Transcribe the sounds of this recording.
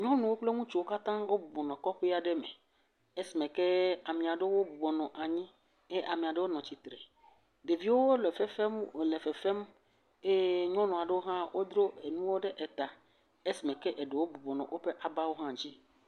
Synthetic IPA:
ɲɔ̃˦nũ˨wo˦k͡ple˦ŋũ˦t͡ʃu˦wo˦ka˦t̪ã˦wo˦bu˨bɔ˨nɔ̃˨kɔ˦ɸe˦a˨ɖe˦mḛ˨ | e˦si˨mɛ̃˨ke˦a˨mĩ˨a˨ɖe˦wo˦bu˨bɔ˨nɔ̃˨ʔa˨ɲĩ˦ | e˦ʔa˨mĩ˨a˨ɖe˦wo˦nɔ̃˨t͡ɕi˨t̪ɾe˨ | ɖe˨vi˨˦wo˦wo˦le˨fɛ˦fe˦mo˨le˨fɛ˨fe˦m | e˦ɲɔ̃˦nɔ̃˨a˨ɖe˦wo˦ɦã˦wʔo˦d̪ɾo˦e˨nũ˦wo˦ɖe˦ʔe˨t̪a˨ | e˦si˨mɛ̃˨ke˦ʔe˨ɖe˨wo˦bu˨bɔ˨nɔ̰̃˨wʔo˦ɸe˦ʔa˨ba˦wo˦ɦã˦d͡ʑi˦

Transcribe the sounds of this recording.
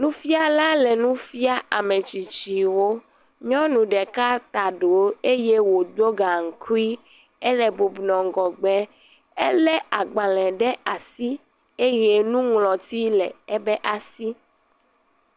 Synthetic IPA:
nũ˦fi˦a˦la˦lɛ˨nũ˦fi˦a˦ʔa˨mẽ˨t͡ʃi˨t͡ʃi˨wo˦ | ɲɔ̃˦nũ˨ɖɛ˨ka˦t̪a˨ɖo˨˦e˦je˦wo˨d̪o˦ɡa˨ŋ̩˨kʰu˦i˦ | ɛ˦lɛ˨bo˨bnɔ̃˨ŋ˨ɡɔ˨ɡ͡bɛ˦ | ɛ˦lɛ˦a˨ɡ͡ba˨lɛ̃˨ɖɛ˦ʔa˨si˦ | e˦je˦nũ˦ŋlɔ̃˨t̪i˦lɛ̰˨ɛ˦bɛ˦ʔa˨si˦

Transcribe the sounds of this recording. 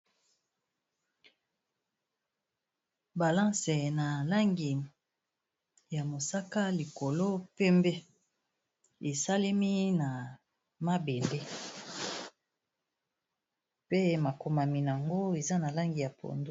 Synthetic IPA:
ba˨lã˦sɛ˨na˨la˦ŋɡi˨ | ja˨mo˨sa˦ka˦li˨ko˨lo˦pɛ˦mbe˦ | e˨sa˦le˦mi˦na˨ | ma˦be˨nde˦ | pe˦ma˨ko˨ma˨mi˨n˨a˨ŋɡo˦e˨za˦na˨la˦ŋɡi˨ja˨pʰo̰˨ndo˦

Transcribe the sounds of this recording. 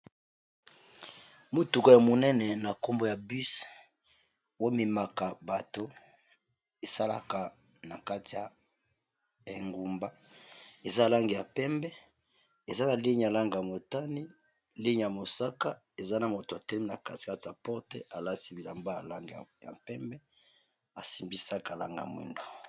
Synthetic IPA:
mo˨tu˨ko˦ja˨mo˨nɛ˦nɛ˨na˨ko˦mbo˦ja˨bi˦s | wo˦mi˨ma˨ka˨ba˨to˦ | e˨sa˦la̰˨ka˨ | na˨ka˦ti˨ja˨ | e˨ŋɡu˨mba˦ | e˨za˦˨la˦ŋɡe˨ja˨pɛ˦mbɛ˦ | e˨za˦na˨li˦ɲ˨a˨la˦ŋɡa˨ja˨mo˨ta˦ni˦ | li˦ɲ˨ja˨mo˨sa˦ka˦ | e˨za˦na˨mo˨to˨a˨tɛ˦i˦na˨ka˦˨ka˦ti˨ja˨pɔ˦ʁtḛ˦ʔa˨la˦ti˦bi˨la˨mba˦ja̰˨la˦ŋɡḛ˨ja̰˨pɛ˦mbɛ˦ | a˨si˨mbi˦sa˦ka˨la̰˦ŋɡa˨a̰˨mwḭ˨ndo˨

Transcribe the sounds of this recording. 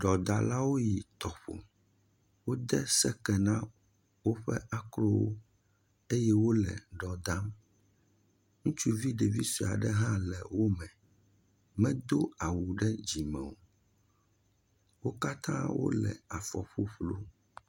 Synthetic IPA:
ɖɔ˨d̪a˨la˦wo˦ji˨t̪ɔ˨ɸo̰˨ | wo˦d̪ɛ˦sɛ˦kɛ˨nã˦ | wo˦ɸɛ̰˦ʔa˨klɔ˦wo̰˦ | e˦jɛ˦wo˦lɛ̰˨ɖɔ˨d̪a˦m | ŋũ˦t͡ʃu˦vi˦ɖe˨vi˦si˨a̰˨ɖɛ˦ɦã˦lɛ˨wo˦mɛ̃˨ | mɛ̃˦d̪o˦a˨wu˨ɖɛ˦d͡ʑi˨mɛ̃˨wo˨ | wo˦ka˦t̪ã˦wo̰˦lɛ̰˨a˨fɔ˨ɸo˦ɸlo˦

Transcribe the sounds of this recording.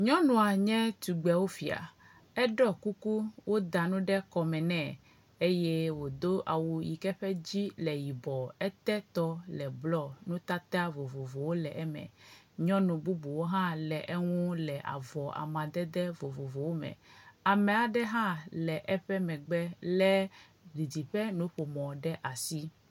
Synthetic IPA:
ɲɔ̃˦nũ˨a˨ɲɛ̃˦t̪u˨ɡ͡bɛ˨wo˦fi˨a̰˨ | ɛ˦ɖɔ˦ku˦ku˦wo˦d̪a˨nũ˦ɖɛ˦kɔ˨mɛ̃˨nɛ̃˦˨ | e˦je˦wo˨d̪o˦ʔa̰˨wu˨jḭ˨kɛ˦ɸɛ˦d͡ʑi˦lɛ˨ji˨bɔ˨ɛ˦t̪ɛ˦t̪ɔ˦lɛ˨blɔ˦˨nũ˦t̪a˦t̪a˦vo˨vo˨vo˨wo˦lɛ˨ʔɛ˦mɛ̰̃˨ | ɲɔ̃˦nũ˨bu˦bu˨wo˦ɦã˦lɛ˨ʔe˦ŋũ˦lɛ˨ʔa̰˨vɔ˨ʔa̰˨mã˨d̪ɛ˦d̪ɛ˦vo˨vo˨vo˨wo˦mɛ̰̃˨a˨mɛ̃˨a˨ɖɛ˦ɦã˦lɛ˨ʔɛ˦ɸɛ˦mɛ̃˨ɡ͡bɛ˦lɛ˦ | ɡi˨d̪i˨ɸɛ˦nũ˦ɸo˨mɔ̃˨ɖɛ˦ʔa˨si˦

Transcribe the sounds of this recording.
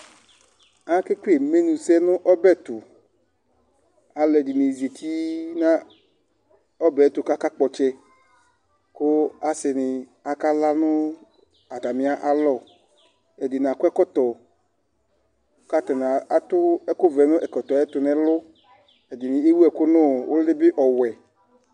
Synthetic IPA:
a˦kɪ˦ke˦˨me˦nũ˨sɛ˦nʊ̃˦ʔɔ˦bɛ˦˨t̪ʊ˨ | a˨lɛ˨dɪ˨ni˨ze˨t̪ʰi˦nã˦ | ɔ˦bɛ˨˦t̪ʊ˨ka˦ka˦k͡pɔ˨t͡ʃɛ˦ | kʊ˦a˦sɪ˨nɪ˨a˨ka˦la˦nʊ̃˦ | a˨ta˨mɪ̃˨a˦ʔa˨lɔ˦˨ | ɛ˨dɪ˨n˨a˨kʊ˦ɛ˦kɔ˦t̪ɔ˨˦ | ka˦t̪ɔ˨na˨a˨t̪ʊ˦ɛ˦kʊ˦vɛ˨nʊ̃˦ʔɛ˨kɔ˨t̪ɔ˨ɛ˦t̪ʊ˨nɛ˨lʊ˦ | ɛ˨dɪ˨nɪ˨e˦wu˦ɛ˨kʊ˦nʊ̃˦wʊ˦ldɪ˦bɪ˦ʔɔ˨wɛ˨

